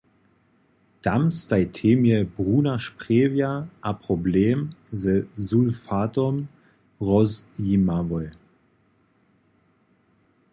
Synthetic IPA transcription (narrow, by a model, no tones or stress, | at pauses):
d̥amstaɪtʰeːmjəbʁuːnaʃpʁ̥eːvjaʔapʁ̥ɔbleːmzəzulfaːtɔm | ʁɔzjimavɔl